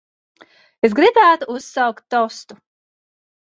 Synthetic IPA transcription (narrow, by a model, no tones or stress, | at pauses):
esɡɾibæːt̪uusːawkt̪ːɔwst̪u